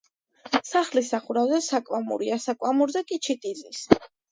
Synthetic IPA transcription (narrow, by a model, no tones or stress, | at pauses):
saχlisaχuɾavzɛsakʼwamṵɾiasakʼwamuɾzɛkʼit͡ʃʰit̪ʼizis